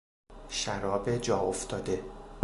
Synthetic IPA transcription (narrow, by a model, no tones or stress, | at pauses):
ʃæɾɒːbed͡ʒɒːoft̪ʰɒːd̪e̞